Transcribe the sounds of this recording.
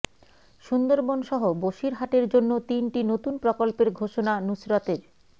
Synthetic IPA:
ʃund̪oɾbonʃɔɦoboʃiɾɦaʈeɾd͡ʑonːot̪inʈinot̪unpɾokolpeɾɡʱoʃonanusɾat̪eɾ

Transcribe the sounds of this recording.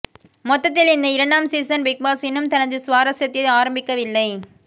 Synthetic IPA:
mɔt̪ːɐt̪ːɪlɪnd̪ɐɪɾɐɳɖaːmsiːsɐnʋɪk̚baːsɪnɯmt̪ɐnɐðɯsʊʋaːɾɐsjɐt̪ːɪaːɾɐmbɪkːɐʋɪlːɐɪ

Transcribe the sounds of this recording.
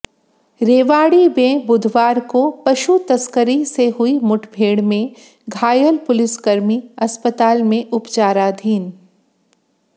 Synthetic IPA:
ɾeːʋaːɽibẽːbʊd̪ʱʋaːɾkopɐʃut̪ɐskəɾiseɦʊimʊʈʰbʱeːɽmẽ | ɡʱaːjəlpʊlɪskɐɾmiɐspət̪aːlmẽʔʊpt͡ʃaːɾad̪ʱiːn

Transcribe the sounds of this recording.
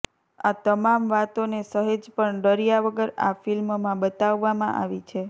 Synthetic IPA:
at̪əmamʋat̪onesəɦed͡ʒpəɳɖəɾijaʋəɡəɾa̰filmmãbət̪aʋːamã̰ʔa̰ʋit͡ʃʰe

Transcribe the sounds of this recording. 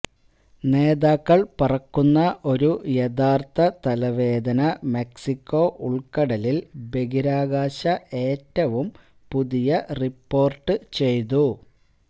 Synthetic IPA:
ne̞ːðaːkːɐɭpurɐkːunːɐʔo̞ɾujed̪aːrt̪ɐt̪ɐlɐʋe̞ːd̪ɐnɐme̞ksikʲːo̞ːʔuɭkɐɽɐlilbe̞ɡiɾaːɡaːɕɐʔe̞ːtːɐʋum | puðijɐripːo̞ːrʈːɨt͡ɕe̞jt̪̬u

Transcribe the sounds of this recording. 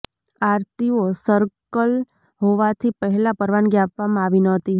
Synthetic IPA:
aːɾt̪iosəɾkəl | ɦoʋat̪ʰipɛɦlapəɾʋanɡjaːpamãaːʋinɔɦt̪iɦ

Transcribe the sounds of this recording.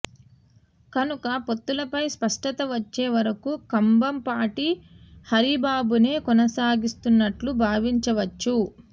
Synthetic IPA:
kɐnukɐpo̞t̪ːulɐpɐjspɐʂʈɐt̪ɐʋɐt͡ʃːeːʋɐɾɐkukɐmbɐmpaːʈi | hɐɾibaːbune̞ːkɔnɐsaːɡist̪unːɐʈlubʱaːʋiɲt͡ʃɐʋɐt͡ʃːu

